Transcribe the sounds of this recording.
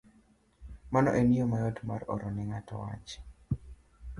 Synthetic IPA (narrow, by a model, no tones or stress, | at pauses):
manɔ̰ʔenijomajɔtmaɾɔ̰ɾɔnɪŋatɔ̰wa̰t͡ʃ